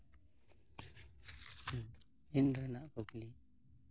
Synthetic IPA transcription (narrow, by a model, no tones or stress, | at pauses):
indənaʔkokli